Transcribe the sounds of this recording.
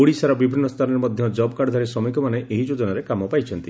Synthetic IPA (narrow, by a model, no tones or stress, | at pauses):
uɽisaɾɔbibʱinːɔst̪ʰanɔɾemɔd̪ʱjɔd͡ʒɔbɔkaɽd̪ʱaɾisɾɔmikɔmaneʔeɦid͡ʒod͡ʒɔnaɾekamɔpajt͡ʃʰɔnt̪i